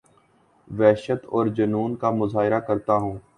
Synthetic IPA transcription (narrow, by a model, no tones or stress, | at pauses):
ʋɛːʃət̪ɔːɾd͡ʒɐnuːnkamʊzaːɦɪɾakɐɾt̪aɦũː